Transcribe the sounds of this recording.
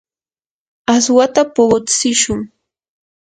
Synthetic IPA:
aswat̪apoɢot͡sɪʃʊŋ

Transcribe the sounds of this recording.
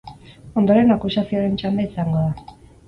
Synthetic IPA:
o̞nd̪o̞ɾe̞nakusasioɾe̞nt͡ʃand̪eisaŋɡo̞ða

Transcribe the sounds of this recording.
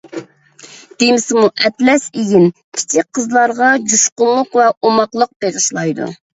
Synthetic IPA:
d̪̥emɪsɪmuʔɛt̪lɛseɡʲɪnkʲʰi̥t͡ʃʰik̚ʲqʰəzlˠɑɾʁɑd͡ʒuʃqʊllːˠəqvɛomɑqlˠəq̚b̥eʁəʃlˠɑjd̪ṵ

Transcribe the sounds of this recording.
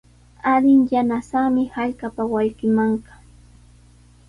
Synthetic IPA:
alɪŋjanasamɪhaʎkapawajɢɪmaɴɢɑ̥

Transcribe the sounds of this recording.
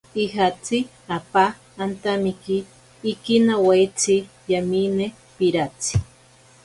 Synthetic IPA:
iɦat͡si | apaː | nt̪amikiː | kinawajt͡si | jamine | piɾat͡si̥

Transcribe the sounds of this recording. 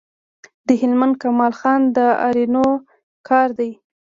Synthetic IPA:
d̪̥əɦɪlmand̪̚kamɑlxɑnd̪əɑ̰ɾino | kʰɑɾd̪aj

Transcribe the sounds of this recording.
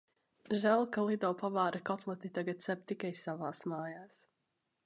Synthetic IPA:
ʒælˠkalˠid̪ɔwpavaːɾakɔt̪lˠɔt̪it̪aɡat̪sɛp̚t̪ikajsavaːsmaːjaːs

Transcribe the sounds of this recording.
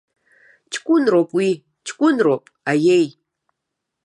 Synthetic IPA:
t͡ʃʰʼkʷʼʊnropʼwi | t͡ʃʰkʷʼʊnropʼajej

